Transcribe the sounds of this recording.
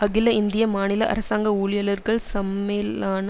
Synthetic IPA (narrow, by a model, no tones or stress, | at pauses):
ɐɣɪlɐɪnd̪ɪjɐmaːnɪlɐʔɐ̰ɾɐsaːŋɡɐuːɭɪjɐlɐɾɣɐɭsɐmelaːnɐ